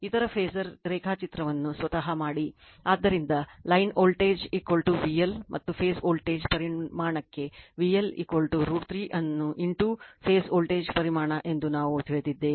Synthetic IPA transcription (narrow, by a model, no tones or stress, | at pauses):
it̪ɐɾɐpʰeːsɐɾɾeːkʰaːt͡ʃit̪ɾɐʋɐnːusʋɐt̪ɐɦɐmaːɽi | aːd̪ːɐɾind̪ɐlɐjnoːlʈeːd͡ʒiːkʋɐlʈuʋijɐlmʔɐt̪ːupʰeːsoːlʈeːd͡ʒpɐɾimaːɳɐkːe̞ʋijɐlḭːkʋɐlʈuɾuːʈt̪ɾiːʔɐnːuʔiɳʈupʰeːsoːlʈeːd͡ʒpɐɾimaːɳɐʔe̞nd̪unaːʋuut̪ʰʋeːd̪id̪ːe